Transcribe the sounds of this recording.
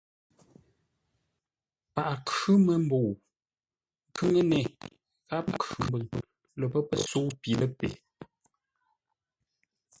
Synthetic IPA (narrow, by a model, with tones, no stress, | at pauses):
pa˨ʔa˨kʉ˦mə˨m̩˦bo˨ | ŋ˦kʉ˦ŋə˦nɛ˨ | ɣa˦pa˨kʉ˨m˨bɨ˨ŋ˨ | lə˨pə˦pə̰˨su˦pi˨lə˦pḛ˨